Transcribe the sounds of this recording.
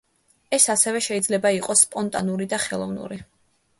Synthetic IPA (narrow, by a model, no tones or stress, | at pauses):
ɛsasɛvɛʃɛid̪zlɛbaiqʼɔspʼɔnt̪ʼanuɾid̪aχɛlˠɔvnṵɾi